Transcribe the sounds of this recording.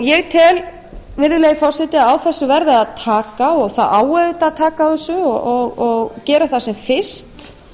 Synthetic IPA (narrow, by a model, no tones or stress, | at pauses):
jɛɣt̪ʰɪl | vɪɾðɪlajifɔr̥sɛt̪ɪaawθɛsːʏvɛɾðɪaðt̪ʰaːkaɔɣθaðaːwɛðɪt̪at̪ʰaːkawθɛsːʏɔɔɣɔɣcɛːɾaθasɛmfɪ̥st̪